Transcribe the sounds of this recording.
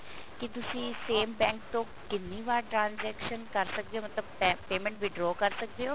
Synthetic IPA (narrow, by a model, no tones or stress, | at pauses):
kɪt̪ʊsĩːseːmbɛ̃ːŋk̚t̪õː | kɪnːiːʋaːɾʈɾãːnzɛːkʃənkəɾsək̚d̪eoːmət̪ləb̚peːmɛ̃ɳʈ̚bʱiːɖɾɔːkəɾsək̚d̪eɦoː